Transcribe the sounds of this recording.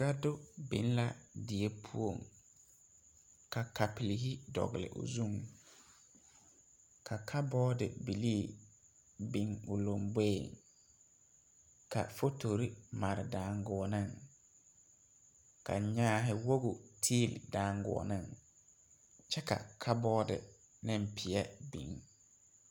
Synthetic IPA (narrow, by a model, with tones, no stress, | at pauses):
ɡa˦dʊ˦bḭ˨˦n˦la˨dɪ˨e˦pʰu˦o˦˨ŋ | ka˨ka˨pi˨li˨hi˦dɔ̰˨ɣɪ˨lɪ̰˨ʔʊ̰˨zu˦ŋ | kʰa˨kʰa˦bɔː˦dɪ̰˨bi˨li˦˨ | bi˨ŋʊ˨lo˨mbe˦˨ŋ | kʰa̰˨fo˦tʰo˨ɾi˦ma˨ɾɪ˨daː˨ŋɡɔ˨ɔ˨nɪ˦˨ŋ | kʰa̰˨ɲaː˦ɦɪ˨wo˦ɣʊ˨tʰiː˦˨ldaː˨ŋɡʊ̰˨ɔ̰˨nɪ˦˨ŋ | t͡ʃɛ˦ka̰˨kʰa˦bɔː˦dɪ̰˨ | nɪ̃˦mpʰɪ˨ɛ˦bḭ˨ŋ